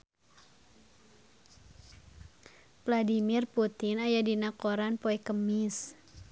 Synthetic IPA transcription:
vladimirput̪ɪnajadinakoɾanpoɛkəmis

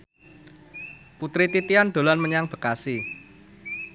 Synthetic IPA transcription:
put̪ɾit̪it̪iand̪̥o̤lanməɲaŋb̥ə̤kasi

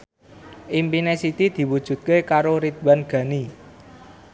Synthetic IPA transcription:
ʔimpinesit̪id̪̥i̤wud̥ʒ̥ṳt̪̚kekaɾoɾid̪̚banɡ̥ä̤ni

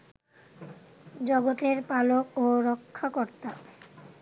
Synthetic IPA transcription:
d͡ʑɔɡot̪eɾpalokoɾɔkʰːakoɾt̪a

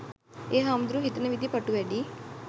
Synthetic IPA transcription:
eːɦaːmd̪ɾuɦit̪nɐʋid̪ʱipɐʈːuʋeːɖi

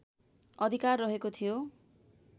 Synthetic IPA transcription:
ʌd̪ʱikarːʌɦekot̪ʰijo

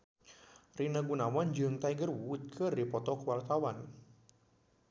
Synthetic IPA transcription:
rinaɡunawand͡ʒɨŋt̪aiɡərwut̪̚kʰɨrdipɔt̪ɔkəwart̪awan

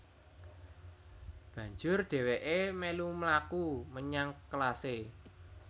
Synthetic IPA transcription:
b̥ä̤ɲd͡ʒʊrɖ̪̥e̤weʔemelumlakuməɲaŋklase

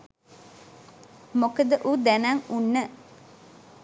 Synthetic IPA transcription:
mokəd̪əʔud̪ænaŋunːə

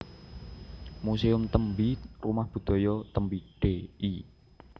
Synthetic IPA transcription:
museʊmt̪əmbirumahb̥ṳd̪̥ɔ̤jɔt̪əmbiɖ̥ei

